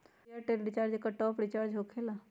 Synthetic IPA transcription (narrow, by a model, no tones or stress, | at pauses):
jaʈelɖɪt͡ʃaːɾd͡ʒekaʈɔːpɖɪt͡ʃaːɾd͡ʒɦoːkʰela